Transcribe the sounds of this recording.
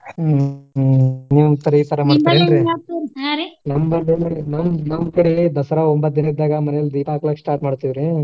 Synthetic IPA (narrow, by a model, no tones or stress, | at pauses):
niʋt̪ɐɾet̪ɐɾɐmaːɽt̪ɐɾenɾeat̪iɾsaɾenɐmbɐɳdenenɐmnɐmːkɐɽed̪ɐsɐɾaombɐt̪̚d̪inɐiɾd̪aːɡɐmɐnɛjɐld̪iːpaːkɐlɐksʈaːɾʈmaːɽt̪ːiʋɾi